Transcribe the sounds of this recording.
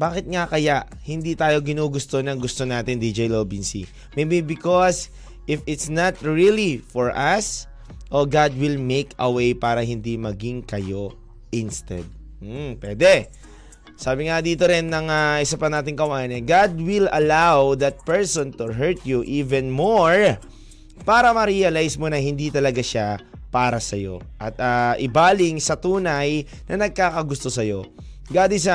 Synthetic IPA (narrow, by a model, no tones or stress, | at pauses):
baːkɪt̪̚ŋakɐjaʔ | hɪnd̪it̪aːjo̞ɡɪnuːɡʊst̪o̞nɐŋɡʊst̪onaːt̪ɪnd̪id͡ʒɛjloːbinsḭ | mejbibɪkos | ʔɪfɪt̪snɐt̪ɹilifɔɹʔɐs | ʔoɡad̪̚wɪlmekʰɐwejpaːɾɐɦɪnd̪imɐɡiŋkɐjo | ʔɪnst̪ɛ̰d̪̚ | m̩pwɛːd̪ɛ | saːbɪŋad̪iːt̪oɾɪnːɐŋaʔɪsapɐnaːt̪ɪŋkɐwaːjɐnɛɡad̪wɪlɐlawðɐt̪̚pɛɹsõnt̪ʊɦɛɹt̪juʔiːvɛnmoɹ | paːɾɐmɐɾiɐlajsmonɐhɪnd̪it̪ɐlɐɡaʃa | paːɾɐsɐjo̞̰ʔɐt̪ɐːʔɪbaːlɪŋsɐt̪uːnɐj | nʔɐnɐɡ̚kaːkɐɡʊst̪o̞sɐjo̞ | ɡad̪ɪsa